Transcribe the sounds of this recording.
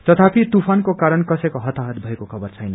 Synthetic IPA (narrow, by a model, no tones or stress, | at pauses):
t̪ʌt̪ʰapit̪upʰankokaɾʌnkʌsʌjkoɦʌt̪aɦʌt̪̚bʱʌekokʰʌbʌrt͡sʰʌjnʌ